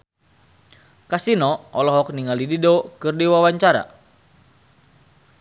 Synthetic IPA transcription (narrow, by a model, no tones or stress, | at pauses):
kasinɔɔlɔɦɔk̚niŋalididɔkɨrdiwawaɲt͡ʃaɾa̰